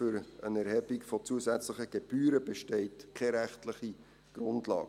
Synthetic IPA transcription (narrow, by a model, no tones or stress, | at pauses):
ʏɾənɛɾhɛbikfɔt͡suəsæt͡sləχəɡ̥eb̥yːɾəbeʃtɛɪtkʰɛɾæχtləχi | ɡ̥ɾʊndlɑ̰ːɡ